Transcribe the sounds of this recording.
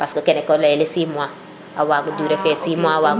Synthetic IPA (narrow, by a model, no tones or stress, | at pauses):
paskakenekɔlaelesimua | awaɡuduːɾefesimuawa